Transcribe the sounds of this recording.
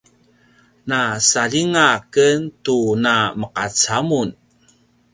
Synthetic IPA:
nasaliŋakənt̪unaməqat͡samun

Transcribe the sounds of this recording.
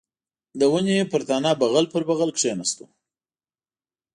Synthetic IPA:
d̪əwəneepəɾt̪ɑnɑbaɣalpəɾbaɣalkʂenast̪u̥̰

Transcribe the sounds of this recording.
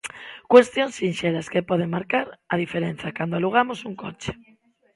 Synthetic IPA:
kwest̪joŋsːinʃeɾaskepɔðeŋmaɾkaɾɐð̞ifeɾen̟θakand̪oaluɣ̞amosuŋkot͡ʃe̥

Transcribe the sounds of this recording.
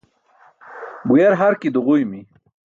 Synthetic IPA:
bujaɾɦaɾkid̪uʁujmi

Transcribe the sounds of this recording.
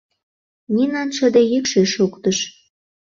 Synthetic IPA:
nʲinɑnʃə̆d̪ejekʃeʃukt̪əʃ

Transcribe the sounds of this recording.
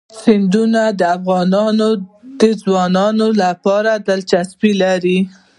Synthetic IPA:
sɪnd̪unad̪əafɣɑnɑnod̪əzwɑnɑnolapɑɾad̪alt͡ʃasbilaɾi

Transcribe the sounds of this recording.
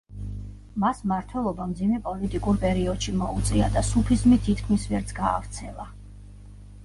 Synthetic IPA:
masmaɾt̪ʰwɛlˠɔbamd̪zimɛpʼɔlit̪ʼikʼuɾpʼɛɾiɔd̪̥ʃimɔut̪sʼiad̪asupʰizmit̪ʰit̪ʰkʰmisvɛɾt̪sʰɡa̰ːft̪sʰɛlˠa

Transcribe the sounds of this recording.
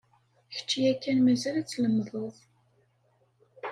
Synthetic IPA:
çə̥t͡ʃːjækːænmæzælæt͡sːləmðˤoðˤ

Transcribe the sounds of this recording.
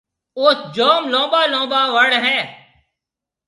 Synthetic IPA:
ʊsd͡ʒoːmlõːbaːlõːbaːʋəɽɦɛ̃ː

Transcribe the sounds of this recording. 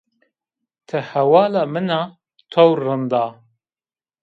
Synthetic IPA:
t̪ʰəhɐwɑːlamɨna | t̪ʰowrɨnd̪aː

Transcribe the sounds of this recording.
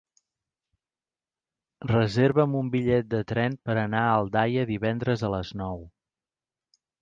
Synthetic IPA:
rəzeɾβəmumbiʎɛt̪̚d̪ət̪ɾɛnpəɾənaəlˠd̪ajəðiβɛnd̪ɾəzələznɔw

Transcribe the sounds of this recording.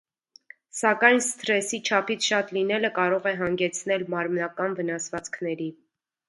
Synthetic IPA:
sɑkɑjnst̪ɾɛsit͡ʃʰɑpʰit͡sʰʃɑt̪linɛləkɑɾɔʁɛɦɑŋɡɛt͡sʰnɛlmɑɾmnɑkɑnvənɑsvɑt͡skʰnɛɾi

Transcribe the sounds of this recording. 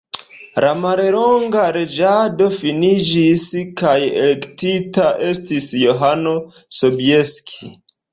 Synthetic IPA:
ɾamaɾelo̞ŋɡaɾe̞d͡ʒado̞finid͡ʒiskajḛle̞ktitaʔe̞stisjo̞ɦano̞so̞bie̞skʰi

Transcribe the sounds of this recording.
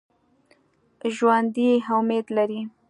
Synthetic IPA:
ʒwand̪iɦamed̪laɾi

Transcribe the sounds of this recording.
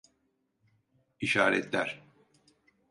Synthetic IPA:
iʃaːɾɛt̪ʰlʲæɾ̥

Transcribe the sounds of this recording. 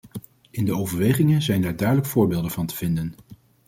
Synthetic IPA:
ɪndəowvəɹʋejχɪŋənzɛjndaːɹdœɥdələkfʊːɹbeɪːlˠdənvɑntə̥v̥ɪndən

